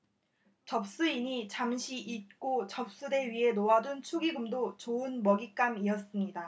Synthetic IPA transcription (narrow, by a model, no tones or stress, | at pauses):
t͡ɕʌp̚s͈uiɲit͡ɕamɕʰiʔit̚k͈ot͡ɕʌp̚s͈ude̞ɥiɦe̞noadunt͡ɕʰuɡiɡɯmdot͡ɕoɯnmʌɡik͈amiʌs͈ɯmɲida